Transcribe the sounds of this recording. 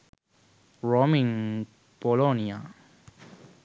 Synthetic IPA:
ɹɔmĩŋ | bɔlonia

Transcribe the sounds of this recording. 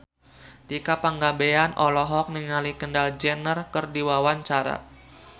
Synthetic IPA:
t̪ikapaŋɡabeanʔɔlɔɦɔk̚niŋalikəndald͡ʒɛnərkərdiwawaɲt͡ʃaɾa̰

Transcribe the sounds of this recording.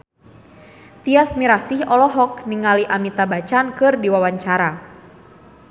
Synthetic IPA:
t̪iasmiɾasihɔlɔɦɔk̚niŋaliʔamit̪abat͡ʃankɨrdiwawaɲt͡ʃaɾa

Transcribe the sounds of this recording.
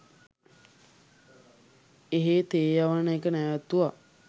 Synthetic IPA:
eɦet̪eːjaʋanəekənɛʋæt̪uʋa

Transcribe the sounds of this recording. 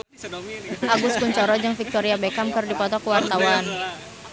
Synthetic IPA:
ʔaɡuskuɲt͡ʃɔɾɔd͡ʒɨŋfik̚t̪ɔɾiabɛkamkɨrdipɔt̪ɔkuwart̪awan

